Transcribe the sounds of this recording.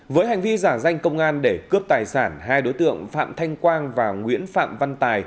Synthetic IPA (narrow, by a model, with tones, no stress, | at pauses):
vəː˨˦jɦa˨˩jŋ̟vi˧zaː˧˩za˧jŋ̟kə˧wŋ͡mʔaː˧nɗe˧˩kɨ˦˥əp̚t̪aː˨˩jsaː˧˩nɦaː˧jɗo˨˦jt̪ɨ̰˧˨əŋfa̰ː˧˨mt̪ʰa˧jŋ̟kwaː˧nvaː˨˩ŋwḭ˧˥ənfa̰ː˧˨mva˧nt̪aː˨˩j